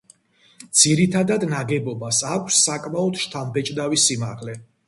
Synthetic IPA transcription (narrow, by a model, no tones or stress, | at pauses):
d̪z̥iɾit̪ʰad̪ad̪naɡɛbɔbasakʷʰsːakʼmaɔd̪ʃt̪ʰambɛt͡ʃʼd̪avisimaʁlɛ